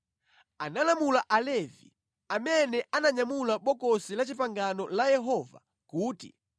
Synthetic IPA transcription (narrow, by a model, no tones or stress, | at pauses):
analamulaʔalɛvi | amɛnɛʔanaɲamulaɓɔkɔsilat͡ʃipaŋɡanɔlajɛɦɔva̰ | kuːtḭ